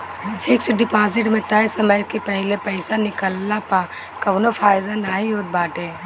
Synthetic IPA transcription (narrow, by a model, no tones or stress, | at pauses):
fʰɪksɖɪpaːzɪʈmẽt̪ɐsɐməjkepɛɦɪlepɛɪsanɪkəlːapa | kɐʋnofʰaːɪd̪anaːĩjoːd̪̚baːʈeː